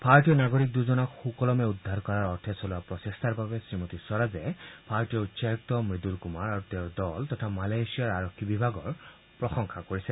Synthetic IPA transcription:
paɹtijɔnaɡoɹik̚d̪uzɔnɔkxukɔlɔmɛud̪ʱːaɹkɔɹaɹɔɹt̪ʰɛsɔlapɹɔsest̪ʰaɹbabɛsɹimot̪isɔɹazɛpʰaɹtijɔutsak̚tɔmɹid̪ulkumaɹaɹut̪eʊɹdɔlt̪ɔt̪ʰamalajsijaɹaɹɔkʰːibibʱaɡɔɹ | pɹɔxɔŋxakoɹisɛ

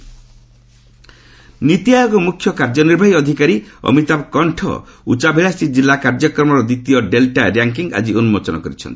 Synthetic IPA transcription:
nit̪ijajɔɡɔmukʰjɔkaɾd͡ʒɔniɾbʱaiɔd̪ʱikaɾiɔ̰mit̪ab̚kɔɳʈʰɔ̰ṵt͡ʃabʱeɭast̪id͡ʒilːakaɾd͡ʒɔkɾɔmɔɾɔd̪it̪ijɔɖelʈaɾjaŋkiŋa̰d͡ʒionumot͡ʃɔnɔkɔɾit͡ʃʰɔ̰nt̪i̥

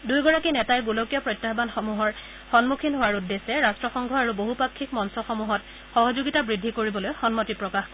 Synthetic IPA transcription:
dujɡɔɹakinɛtajɡulokijɔpɹɔjtːaɦbanxɔmuɦɔɹ | xɔnmukʰinɦowaɹudːesɛɹastɹɔxɔŋɡʱɔaɹuboɦupakʰːikmɔnsɔxɔmuɦɔt | xɔɦɔzuɡitabɹidʱːikoɹibɔlojxɔnmɔtipɹɔkax

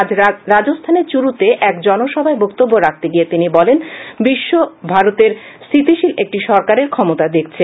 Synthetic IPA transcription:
ad͡ʑɾad͡ʑost̪ʰaneɾt͡ɕuɾut̪eʔɛkd͡ʑɔnoʃɔbʱaebokt̪obːoɾak̚t̪eɡijet̪inibɔlenbiʃːobʱaɾot̪eɾsit̪iʃilek̚ʈiʃɔɾkaɾeɾkʰɔmot̪ad̪ek̚ʰt͡ɕʰe

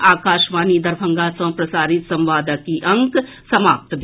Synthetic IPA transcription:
aːkaːʃʋaːnid̪ɐɾbʱə̃ŋɡasɐ̃pɾɐsaːɾɪt̪sɐ̃mʋaːd̪əkiʔɐ̃ŋk | sɐmaːp̚t̪d̪

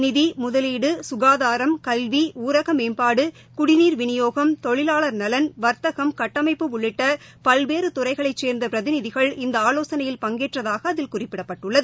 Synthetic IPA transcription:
nɪðimʊðɐliːɽɯsʊɣaːðaːɾɐmkɐlʋiuːɾɐɣɐmeːnpaːɽɯ | kʊɽɪniːɾʋɪnɪjoːɣɐmt̪ɔɭɪlaːɭɐɾnɐlɐnʋɐɾt̪ɐɣɐmkɐʈːɐmɐɪpːɯmʊɭːɪʈːɐ | pɐlʋeːɾɯt̪ʊrɐɪɣɐɭɐɪt͡ʃːeːɾnd̪ɐpɪɾɐðɪnɪðɪɣɐɭɪnd̪ɐaːloːsɐnɐjɪlpɐŋɡeːʈrɐðaːɣɐːðɪlkʊrɪpːɪɽɐpːɐʈːɯɭːɐðɯ

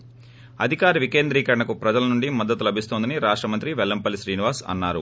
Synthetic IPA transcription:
ɐ̰d̪ʱikaːɾɐʋike̞ːnd̪ɾiːkɐɾɐɳɐkupɾɐd͡ʒɐlɐnuɳɖimɐd̪ːɐt̪ulɐbʱist̪oːnd̪ɐniɾaːʂʈɾɐmɐnt̪ɾiʋɛlːɐmpɐliʃɾiːniʋaːsɐ̰nːaːɾṵ

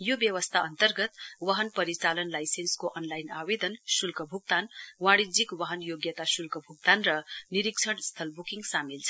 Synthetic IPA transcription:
jobjʌwʌst̪ʰaʌnt̪ʌrɡʌt̪wʌɦʌnpʌɾit͡salʌnlajsenskoʔʌnlajnawed̪ʌnsulkʌbʱuk̚t̪anwãɽid͡zikwʌɦʌnjoɡjʌt̪asulkʌbʱuk̚t̪anrʌniɾikt͡sʰʌɽst̪ʰʌlbukiŋɡsamilt͡sʰʌ

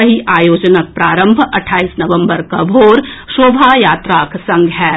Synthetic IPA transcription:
ɐɦiʔaːjoːd͡ʒənək̚pɾaːɾə̃mbʱɐʈʰːaːiːsnɐʋə̃mbəɾkabʱoːɾʃoːbʱaːjaːt̪ɾaːkʰsɐ̃ŋɡɦɛː

